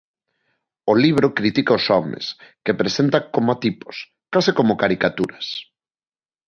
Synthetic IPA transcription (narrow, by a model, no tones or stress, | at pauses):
oliβ̞ɾokɾit̪ikaosɔmḛskepɾesent̪akomat̪ipo̥s | kasɪkomokaɾikat̪uɾɐs